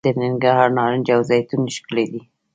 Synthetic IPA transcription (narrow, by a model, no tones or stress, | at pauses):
d̪ənɪŋɡahɑɾnɑɾɪnd͡ʒawzɑjt̪unɪʃkəled̪i